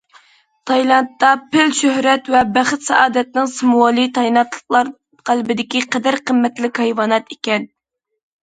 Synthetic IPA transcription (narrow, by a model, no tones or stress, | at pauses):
t̪ʰɑjlˠɑnt̪ːɑpɪlʃøhɾɛt̪vɛbæχɨt̪sɛ̰ʔɑːd̪ɛt̪nɪŋsɨmuwɑlˠit̪ʰɑjlˠɑt̪ʰlˠə̥qlˠɑɾ | qælbɪd̪ɪkʲiqɛd̪ɪɾqʰəmːɛt̪lɪkʲhɑjwɑːnɑt̪ekʲɛn